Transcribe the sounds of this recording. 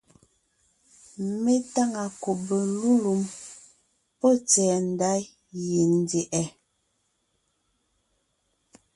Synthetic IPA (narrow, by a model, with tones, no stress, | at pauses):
me˦ta˦ŋa˨ko˨be˨lu˦lu˨m | pɔ˦˨t͡sɛː˨n̩˨da˦j | je˨n˦de˨ʔɛ˨